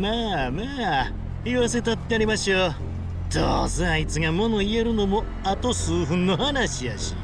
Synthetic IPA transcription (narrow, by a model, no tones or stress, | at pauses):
maːmaː | iβas̬e̞t̪at̪ːeaɾimaɕio | d̪̥o̰ːzeait͡sɨɡamo̞no̞ie̞ɾɯ̟no̞mo | at̪o̞sɨːɸɯ̟̃nːo̞hanaɕijaɕi̥̰